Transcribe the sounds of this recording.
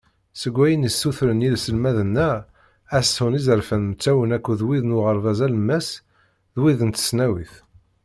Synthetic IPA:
səɡʷːæjənisːuθɾənilsəlmæðənːæ | æshunizəɾfənmət͡sːæwənækʷːuðwiðnʊʁəɾˤvæzæləmːæs | ðwiðənt̪ə̥snæwiθ

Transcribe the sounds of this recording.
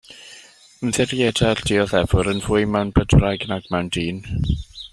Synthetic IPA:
əmðɛɾjɛdald̥ɪɔðɛvʊɾənvʊɨmɛwnbədrajɡnaɡ̥mɛwndiːn

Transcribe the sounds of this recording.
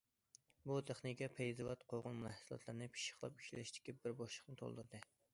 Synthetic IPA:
but̪ʰeχnikʲɛpʰejzɨwɑt̪qʰoʁʊnmulɛhsɨlˠɑ̰t̪ʰlˠɨɾnɨpʰi̥ʃɪ̥χlˠɑ̰pi̥ʃlʲlɪʃt̪ɪ̥kʲibɪɾboʃlˠəχnɨt̪ʰo̰lˠd̪ɨɾd̪ɨ

